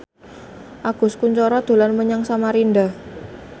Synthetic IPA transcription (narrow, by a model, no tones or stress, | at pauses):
ʔaɡ̥ʊ̤skuɲt͡ʃɔɾɔd̪̥o̤lanməɲaŋsamaɾindah